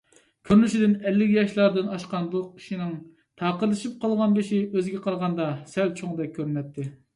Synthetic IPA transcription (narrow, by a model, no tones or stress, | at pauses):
kʲʰøɾnyʃid̪ɪnɛlːɪkʲjɑʃlˠɑɾd̪ɨnɑʃqɑnblˠʊq̚ʰi̥ʃinɪŋ | t̪ʰɑːqəɾlˠɨʃip̚qʰɑlˠʁɑnbɪʃiøzɡʲɛqʰɑɾʁɑnd̪ɑsɛlt͡ʃʰoŋd̪ɛk̚ʲʰːøɾynɛt̪ʰːɪ